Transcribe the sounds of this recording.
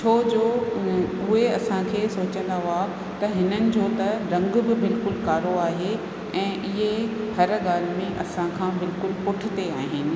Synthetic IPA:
t͡ɕʰoːd͡ʑoː | ʊɦeɐsãkʰeːsoːt͡ɕə̃nd̪aɦaː | t̪ɐɦɪnənɪ̆d͡ʑoːt̪ɐɾɐ̃ŋɡbɪbɪlkʊlkaːɾoaːɦe | ɛ̃ːʔɪɦeɦɐɾɠaːl̤ɪmẽʔɐsãkʰãːbɪlkʊlpʊʈʰɪ̆t̪eaːɦɪnɪ̆

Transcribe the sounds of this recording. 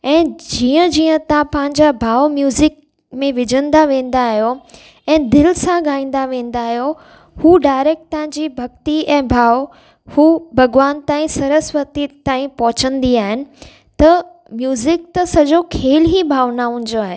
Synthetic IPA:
ɛ̃ːd͡ʑiːə̃d͡ʑiːə̃t̪ãpɐ̃ɦɪ̃ɲd͡ʑabʱaːʋmjuːzɪk̚ | mẽʋɪd͡ʑʱənd̪aʋẽːn̆d̪aːɦijo | ɛ̃ːd̪ɪlsãɡaːĩːn̆d̪aʋẽːn̆d̪aːɦjo | huːɖaːɪɾeːk̚ʈ̚t̪ãɦɪ̃ɲd͡ʑibʱɐɡt̪iɛ̃ːbʱaːʋ | huːbʱɐɡʋaːnt̪aːĩsɐɾəsʋət̪it̪aːĩpɔɦʊt͡ɕə̃nd̪iaːɦɪnɪ̆ | t̪ɐ | mjuːzɪkt̪ɐsɐd͡ʑokʰeːlɦibʱaːʋnaɦʊ̃ɲ̆d͡ʑoaːɦe

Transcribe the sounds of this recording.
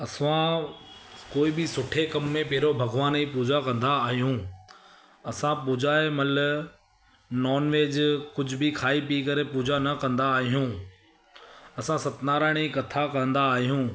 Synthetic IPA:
ɐsã | koːibɪsʊʈʰekɐmːẽpɐɦɪɾobʱɐɡʋaːnipuːd͡ʑakɐ̃nd̪aːɦijũ | ɐsãpuːd͡ʑʱaːemɐl | nɔːnʋeːd͡ʑkʊd͡ʑʱʊbɪkʰaːipikɐɾepuːd͡ʑanɐkɐ̃nd̪aːɦijũː | ɐsãsɐt̪naːɾaːɪɽ̃ikɐt̪ʰakɐə̃n̆d̪aːɦijũː

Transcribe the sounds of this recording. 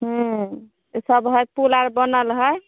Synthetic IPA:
ɦũ | səbɦəjpulaɾbənəlɦəj

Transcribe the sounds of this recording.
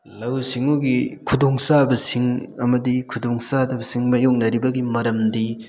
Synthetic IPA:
lɐwsiŋuɡikʰudoŋsabɐsiŋɐmɐdikʰudoŋsadɐbɐsiŋmɐjoŋ̚nɐɾibɐɡimɐɾɐmdi

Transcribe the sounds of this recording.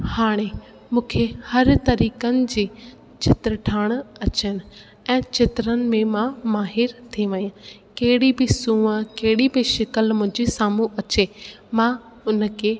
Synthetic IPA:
haːɽ̃e | mũːkʰehɐɾt̪ɐɾiːkənɪ̆d͡ʑiː | t͡ɕʰɪt̪ɾəʈʰaːɽ̃ɐt͡ɕənɪ̆ | ɛ̃ːt͡ɕɪt̪ɾənɪ̆mẽmãmaːɦɪɾt̪ʰiʋɐiã | kɐɦɪɽibɪsũːəkɐɦɪɽibɪʃɪkəlmʊ̃ɦɪ̃ɲd͡ʑisaːmuʔɐt͡ɕeːmã | ʊnə̆kʰeː

